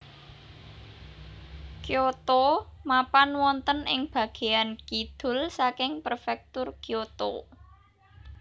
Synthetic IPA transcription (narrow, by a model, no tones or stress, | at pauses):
kjot̪omapanwɔnt̪ənɪŋb̥ä̤ɡ̥e̤jankid̪̥ʊ̤lsakɪŋpərfɛk̚t̪ʊrkjot̪o̰